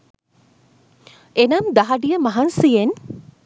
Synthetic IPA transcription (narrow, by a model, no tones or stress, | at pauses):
enɐmd̪ɐɦɐɖijəmɐɦɐnsijen